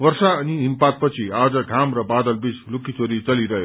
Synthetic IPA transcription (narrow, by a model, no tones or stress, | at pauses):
wʌrsaʌniɦimpat̪̚pʌt͡sʰiad͡zʌɡʱamrʌbad̪ʌlbit͡slukit͡soɾit͡sʌliɾʌɦjo